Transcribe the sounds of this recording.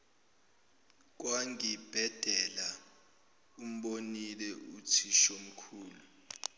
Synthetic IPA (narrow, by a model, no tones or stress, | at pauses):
k̬waŋib̥ʱɛd̥ʱɛla | um̩ɓonilɛutʰiʃom̩kʰuːlu